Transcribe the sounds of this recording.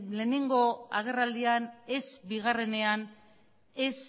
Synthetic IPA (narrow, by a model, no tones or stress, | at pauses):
le̞ːne̞ŋɡo̞aɣ̞e̞rald̪iane̞zbiɣare̞ne̞an | es